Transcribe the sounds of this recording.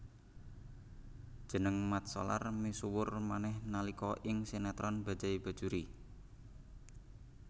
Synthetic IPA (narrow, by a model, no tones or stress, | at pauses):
d̥ʒ̥ə̤nəŋmat̪̚sɔ̰la̰rmisuwʊrmanɛhnalikɔʔɪŋsenat̪ɾɔnb̥a̤̥d͡ʒ̥aib̥a̤̥ʒ̥uɾi